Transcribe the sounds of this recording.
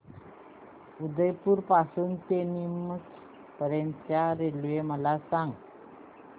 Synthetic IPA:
ud̪əjpuɾpasuːnt̪enimət͡s | pəɾentjaɾeluʋeməlasaŋ

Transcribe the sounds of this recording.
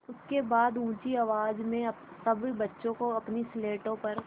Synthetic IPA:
ʊskebaːd̪ũːt͡ʃiɐʋaːd͡ʒmẽɐ | sɐbibɐtːʃõkoɐpnisleːʈõpɐɾ

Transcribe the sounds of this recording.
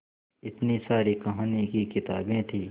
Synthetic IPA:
ɪt̪nisaːɾikɐɦaːnikikɪt̪a̰ːbẽt̪ʰiː

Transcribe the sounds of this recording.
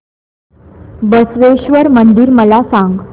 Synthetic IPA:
bəsʋeɕʋəɾmənd̪iːɾməlasãŋɡ

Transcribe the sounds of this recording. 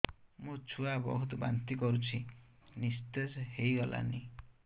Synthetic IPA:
mut͡ʃʰuabɔ̰ɦut̪ɔba̰nt̪ikɔɾut͡ʃʰinist̪esɦejɡɔla̰ni

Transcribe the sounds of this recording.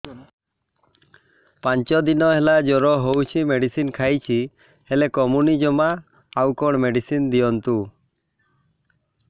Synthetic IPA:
paɲt͡ʃɔd̪inɔɦelad͡ʒɔɾɔɦowt͡ʃʰimeɖisinkʰajt͡ʃʰi | helekɔmunid͡ʒɔmaː | wkɔɽ̃meɖisind̪ijɔnt̪u

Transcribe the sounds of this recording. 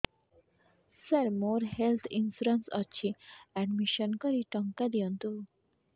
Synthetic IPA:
sɐɾmoːɾhelt̪ʰinsuɾənsʌt͡ɕʰiɛ̃ɳɖmiʃənkɔɾiʈɔŋkad̪iont̪u

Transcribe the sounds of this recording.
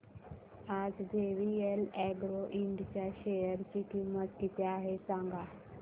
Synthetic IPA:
ad͡zd̪eʋielɛɡɾoʔiɳɖt͡ɕjaɕejəɾt͡ɕiːkimːət̪kit̪ʰeaɦesãŋɡa

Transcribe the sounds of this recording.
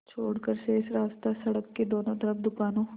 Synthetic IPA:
t͡ʃʰoːɽkəɾseɪsɾaːst̪asɐɽəkːeɖɔːnõd̪ɐɾəbd̪ʊkaːnõː

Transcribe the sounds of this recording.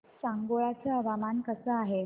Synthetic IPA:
sãŋɡoɭat͡seəʋamankəsəaɦe

